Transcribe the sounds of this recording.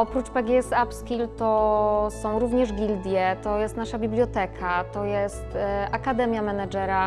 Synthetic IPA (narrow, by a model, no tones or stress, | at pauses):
ɔpɾut͡ʂpɛɡʲɛɛsapskʲilt̪ɔsɔ̃w̃ɾuvɲɛʐɡʲild̪ʲjɛt̪ɔjɛst̪naʂabʲiblʲjɔt̪ɛkʰat̪ɔjɛst̪ʔakad̪ɛmʲjamɛnad͡ʐɛɾa